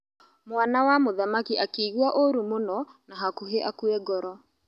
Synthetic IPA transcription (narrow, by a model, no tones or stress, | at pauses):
mwanawamoðamakiʔakeːɣuaʔoɾumonɔnaɦakuɦeʔakuɛɡɔɾɔ